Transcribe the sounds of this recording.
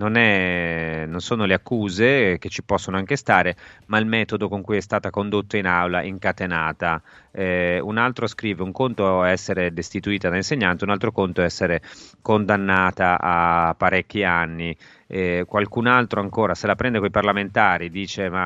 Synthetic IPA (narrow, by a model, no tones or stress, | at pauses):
nonɛ | nonsoːnoleakːuːzek̟et͡ʃːipɔsːonoaŋkest̪aːɾemailmɛːt̪od̪okoŋkujɛst̪aːt̪akond̪ot̪ːainawlaʔiŋkat̪enaːt̪aɛunalt̪ɾoskɾiːveuŋkont̪oɛsːeɾed̪est̪it̪uiːt̪ad̪ainseɲːant̪eunalt̪ɾokont̪oɛɛsːeɾekond̪anːaːt̪aʔapːaɾɛkːianːi | ɛkwalkunalt̪ɾoaŋkoːɾaselapɾɛnd̪ekoiparlament̪aːɾid̪iːt͡ʃema